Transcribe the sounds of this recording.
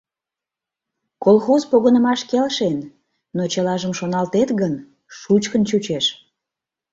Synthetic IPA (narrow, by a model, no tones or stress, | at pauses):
kolˠxozpoɣənəmɑʃkelʃen | not͡ɕəlɑʒəmʃonɑlt̪et̪ɣən | ʃut͡ɕkənt͡ɕut͡ɕeʃ